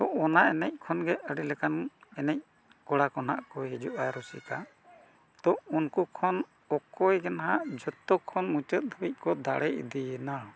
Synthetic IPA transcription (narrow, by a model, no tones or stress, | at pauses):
t̪ɔʔɔnaʔɛnɛc̚kʰɔnɡɛəɽɛlɛkanɛnɛc̚ | kɔɽakɔna̰ʔkɔɦɛd͡ʒuʔaɾɔsḭka | d̪ɔʔunkukʰɔn | ɔkɔjɡɛnaɦaʔd͡ʒɔt̪ːɔkʰɔnmut͡ʃət̪̚d̪ʱuic̚kɔd̪aɽɛʔid̪ijɛna